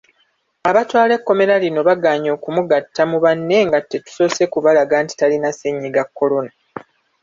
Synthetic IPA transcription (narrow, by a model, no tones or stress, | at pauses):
aβatwaːle̞kːo̞me̞ɾalino̞βaɡaːɲo̞ːkumuɡatʰːamuβanːe̞ŋɡatːe̞tu̥so̞se̞kuβalaɡaːnti̥talinaseɲːiɡakːo̞lo̞na